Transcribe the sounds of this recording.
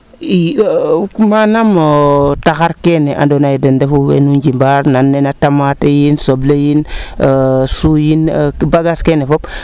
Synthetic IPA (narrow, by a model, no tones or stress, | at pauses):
i | manamotaxaɾkeneʔa̰ndonajidendefuwḛnuɲd͡ʒimbaɾnanːenatamatejinsoblejin | sujinbaɡaskenefop